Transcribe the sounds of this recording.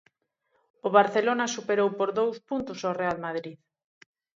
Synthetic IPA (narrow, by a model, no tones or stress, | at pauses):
oβ̞aɾθelonasupeɾowpoɾðowspunt̪ʊsorealmað̞ɾið